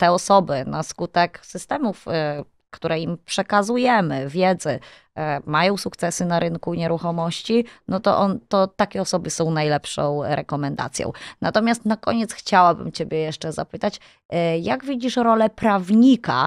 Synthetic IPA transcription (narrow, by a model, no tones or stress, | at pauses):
t̪ɛɔsɔbɘnaskut̪ɛksɘst̪ɛmuf | kt̪uɾɛimpʂɛkazujɛmɘvʲjɛd̪zɛ | majɔ̃w̃sukt̪sɛsɘnaɾʔɘŋkuɲɛɾuxɔmɔɕt͡ɕinɔt̪ɔ̰ʔɔnt̪ɔt̪akʲɛɔsɔbɘsɔ̃w̃najlɛpʂɔ̰̃w̃ɾɛkɔmɛnd̪a̰t̪sʲjɔ̰̃w̃nat̪ɔmʲjast̪nakɔɲɛt̪sxt͡ɕawabɘ̰mt͡ɕebʲjɛjɛʂt͡ʂɛzapɘt̪at͡ɕ | jaɡvʲid͡ʑiʂɾɔlɛpɾavɲika̰